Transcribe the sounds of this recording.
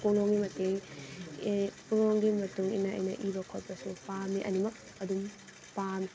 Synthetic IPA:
koloŋɡimɐteŋ | puloŋɡimɐtuŋḭnːɐʔɐ̰jnɐ̰ʔibɐkʰot̚pɐsupamiʔɐ̰nimɐk̚ | ɐdum | pami

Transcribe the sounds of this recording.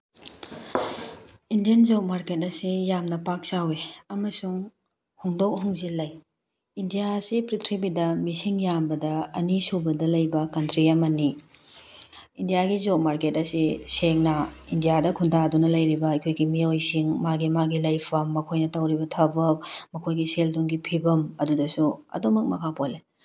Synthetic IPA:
indijɐnzomaɾket̚ɐsijamnɐpak̚saweɐmɐsuŋ | huŋdok̚huŋzilːɐj | indijasipɾitʰɾibidɐmisiŋjambɐdɐɐnisubɐdɐlɐjbɐkɐntɾiɐmɐni | indijaɡizot̚maɾketɐsiseŋnɐindijadɐkʰundadunɐlɐjɾibɐɐkʰojɡimiojsiŋmaɡimaɡilɐjpʰɐmːɐkʰojnɐtɐwɾibɐtʰɐbɐk̚mɐkʰojɡiselduŋɡipʰibɐmɐdudɐsuɐ̰domɐk̚mɐkʰapole

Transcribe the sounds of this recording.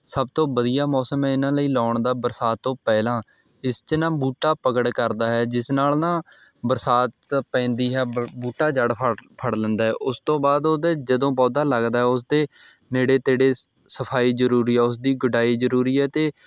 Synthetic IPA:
səb̚t̪õːbəd̪ijaːmɔːsəmɛ̃ːɪnãːləiːlɔːɳd̪aːbəɾsaːt̪ːõːpɛːlãː | ɪst͡ʃənãːbuːʈːaːpəkəɽkəɾd̪aːɦɛːd͡ʒɪsnaːlnãːbəɾsaːt̪pɛ̃ːnd̪iːɦɛːbuːʈaːd͡ʒəɽpʰpʰəɽlə̃nd̪aːɦɛ̰ːʔʊst̪õːbaːd̪oːd̪eːd͡ʒəd̪õːpɔːd̪aːləɡd̪aːɦɛːʊs̬d̪eː | neːɽeːt̪eːɽeː | səpʰaːiːzəɾuːɾiːɛːʊs̬d̪iːɡʊɖaːiːzəɾuːɾiːɛːt̪eː

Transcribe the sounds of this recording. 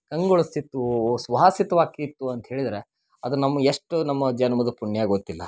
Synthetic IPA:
kɐŋɡoɭɐst̪it̪ːusʋɐɦasit̪ɐʋaːkit̪ːuɐnt̪ɐɦeːɭid̪ɐɾe̞ | ɐd̪unɐmːɐeʂʈːunɐmːɐd͡ʒɐnɐmɐd̪ɐpuɳːjaːɡɡot̪ːilːɐ̰

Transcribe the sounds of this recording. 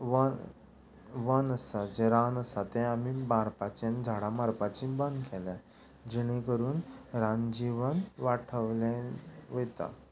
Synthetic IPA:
ʋə | ʋənəsad͡zeɾanəsat̪ɛ̃amibaɾpat͡ɕẽnd͡zʱaɽãmaɾpat͡ɕĩbənd̪kʰɛlã | d͡ʑiɽ̃ekəɾuːnɾãnd͡ʑiʋənʋaʈʰəʋlẽʋet̪a̰

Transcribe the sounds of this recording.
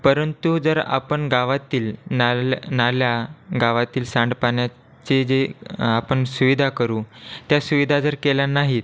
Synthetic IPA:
pəɾənt̪ud͡zəɾa̰pəɳɡaʋat̪iːlnanaljaɡaʋat̪iːlsãɳɖpaɳja | t͡ɕed͡zeapəɳsuʋid̪ʱakəɾuːt̪jasuʋid̪ʱad͡zəɾkelanaɦit̪

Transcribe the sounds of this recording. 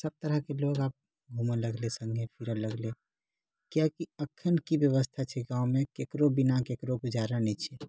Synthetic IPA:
səb̚t̪əɾəɦkeloɡaːp̚ | ɡʱumələɡlesə̃ŋɡʱẽpʰiɾələɡle | kjakiəkʰːənkibjəβəst̪ʰat͡ʃʰɛɡãumekekɾobinakekɾobud͡ʒaɾanɛt͡ʃʰɛ

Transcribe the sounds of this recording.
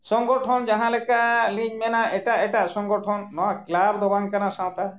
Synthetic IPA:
sɔŋɡɔʈʰɔnd͡ʒaɦãlekaliɲmenaʔeʈaeʈasɔŋɡɔʈʰɔnːɔaklabd̪ɔbaŋkanasãw̃t̪a

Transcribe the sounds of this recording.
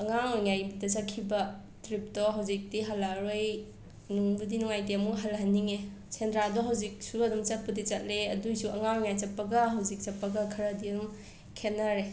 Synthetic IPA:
ɐŋaŋŋajbudɐsakʰːibɐ | tɾip̚dɔɦawzik̚diɦalaɾoj | nuŋbudinuŋajteɐmuɦalɦanːiŋe | sendɾadɔɦawzik̚suɐdɔmt͡ʃɐt̚pudit͡ʃɐt̚leɐdujsuɐŋaŋŋajt͡ʃɐpːɐɡɐɦawzik̚t͡ʃɐpːɐɡakʰɐɾɐdiɐdɔm | kʰenːaɾe

